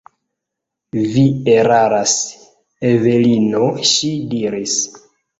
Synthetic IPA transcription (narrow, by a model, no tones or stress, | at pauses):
vieɾaɾas | evelinoʃidiɾis